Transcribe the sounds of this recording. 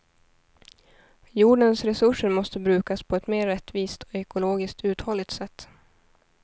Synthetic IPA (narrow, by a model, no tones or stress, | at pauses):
juːɖənsɾɛsɵʂəɾmɔst̪əbɾʉ̟ːkaspʰɔɛt̪meːɾːɛt̪ːviːst̪ʰɔ̥ɛkʊloːɡɪsk̚t̪ʰʉ̟ːt̪hɔlːɪɡt̪sɛt̪ː